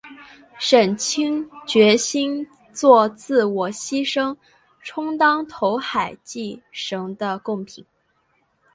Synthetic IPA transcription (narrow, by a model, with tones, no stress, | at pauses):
ʂə˨˩nt͡ɕʰi˥ŋt͡ɕɥɛ˧˥ɕi˥n | t͡swɔ˥˧t͡sɹ̩˥˩wɔ˨˩ɕi˥ʂɤ˥ŋ | ʈ͡ʂʰʊ˥ŋt̪ɑ˥ŋt̪ʰo˧˥ʊxa˨˩ɪt͡ɕi˥˩ʂɤ˧˥ŋd̪ə˧kʊ˥˩ŋpʰi˨˩˦n